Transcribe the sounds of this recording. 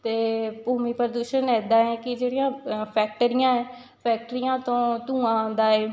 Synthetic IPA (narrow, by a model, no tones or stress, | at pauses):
t̪eːpuːmiːpəɾəd̪uːʃənɛːd̪aːɛ̃ːkɪd͡ʒeːɽijãːpʰɛːk̚ʈəɾɪjãːɛ̃ː | pʰɛːk̚ʈəɾɪjãːt̪õːt̪ũːãːnd̪aːeː